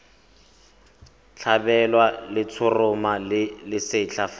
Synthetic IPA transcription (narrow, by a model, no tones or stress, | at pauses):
t͡ɬʰabɛlwalɪt͡sʰʊrʊmalɪlɪsɪt͡ɬʰaf